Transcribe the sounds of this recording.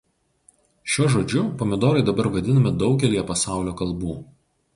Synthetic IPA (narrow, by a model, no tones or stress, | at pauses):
ʃʲuːʒoːd͡ʒʲʊpɔmʲɪd̪oːɾɐɪd̪ɐbɐɾʋɐd̪ʲɪnɐmʲɪd̪ɒʊɡʲɛlʲijɛpɐsɑˑʊlʲoːkɐlˠbuː